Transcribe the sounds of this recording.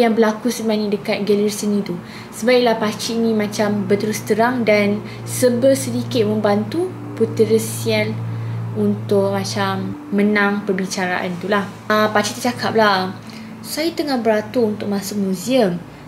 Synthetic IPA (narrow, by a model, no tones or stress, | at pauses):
jaŋbəlakusəbanĩdəkat̪̚ɡɛlərsənĩt̪u | səbaiʔlahpat͡ʃiːnĩmãt͡ʃambət̪əɾust̪əɾaŋdan | səbərsədikɪt̪̚mə̃mbant̪u | put̪əɾəsialunt̪ʊk̚mãt͡ʃamːənãŋpərbit͡ʃaɾa̰ʔa̰nt̪ulah | əpat͡ʃit̪ut͡ʃakʰap̚la | sajat̪əŋahbəɾat̪uunt̪ʊk̚mãsʊk̚mũziəm